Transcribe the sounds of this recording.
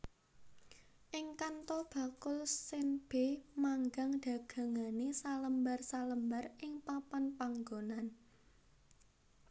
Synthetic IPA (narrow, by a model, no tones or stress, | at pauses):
ʔɪŋkant̪ɔb̥ä̤kʊlsɪnb̥e̤maŋɡaŋd̪̥ä̤ɡ̥ä̤ŋanesaləmbarsaləmbarɪŋpapanpaŋɡonan